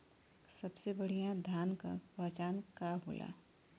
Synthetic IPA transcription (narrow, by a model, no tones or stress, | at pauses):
sɐbsebɐɽ̤ijãd̪ʱaːnka̰pɐt͡ʃaːnkaɦoːlʔa̰ː